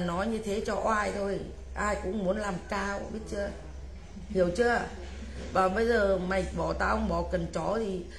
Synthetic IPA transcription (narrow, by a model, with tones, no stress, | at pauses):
nɔ˨˦jɲɨ˧t̪ʰe˨˦t͡ɕɔ˧ʔaː˧jt̪ʰo˧j | ʔaː˧jkʊ̰˧˥ŋ͡mmu˨˦ənlaː˨˩mkaː˧wɓi˦˥ət̚t͡ɕɨ˧˥ə | hi˨˩əwt͡ɕɨ˧˦˨ | vaː˨˩ɓə˧jzəː˨˩ma˨˩j̚ɓɔ˧˩t̪aː˧hə˧wŋ͡mɓɔ˧˩kə˨˩nt͡ɕɔ˨˩˦t̪ʰi˨˩